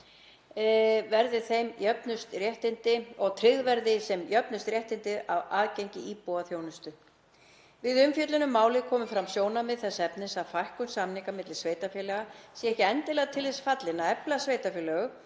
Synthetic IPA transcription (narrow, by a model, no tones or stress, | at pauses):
vɛɾðɪθejmjœpnʏst̪rjɛht̪ɪnt̪ɪɔɣt̪ʰɾɪɣðvɛɾðɪsɛmjœpnʏst̪ɾjɛht̪ɪnt̪ɪðavaːðcejɲcɪiːpɔwaθjownʏst̪ʏ | vɪðʏmfjœt̪lʏnʏmːaːwlɪkʰɔːmʏfɾamsjoːwnamɪðθɛsːaɛpnɪsafajhkʏnsamnɪŋkamɪt̪lɪ̥sveːjt̪afjɛlɛɣasɛhcɪɛnt̪ɪlɛɣt̪ʰɪlðɪsfat̪lɪnːaɛplasveːjt̪afjɛlɛɣʏ